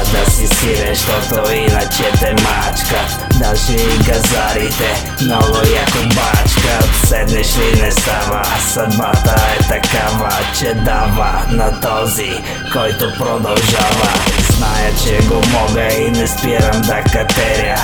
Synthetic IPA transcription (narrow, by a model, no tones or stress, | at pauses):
d̪asisiɾɛʃt̪ot̪oinat͡ʃɛt̪ɛmat͡ʃka | d̪aʃɛɡazaɾit̪ɛ | noʋoiakobat͡ʃkasɛd̪mɛʃinɛst̪aʋasad̪mat̪aɛt̪akaʋat͡ʃɛd̪aʋanat̪ozi | kojt̪opɾod̪olʒaʋaznajat͡ʃɛɡomoɡainɛsp̪jɛɾamd̪akat̪ɛɾa